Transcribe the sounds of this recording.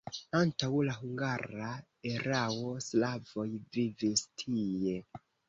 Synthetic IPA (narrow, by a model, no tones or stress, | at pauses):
antawlaɦuŋɡaɾa | e̞ɾawo̞slavo̞jvivistʰiije̞